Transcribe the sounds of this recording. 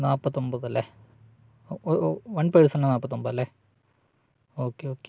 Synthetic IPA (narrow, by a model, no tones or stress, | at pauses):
naːpːɐt̪ːombɐðɐlːe | ʋɐɳpɐɻsɐnɳɖanaːpːɐt̪ːombɐðɐlːe | oːkːeoːke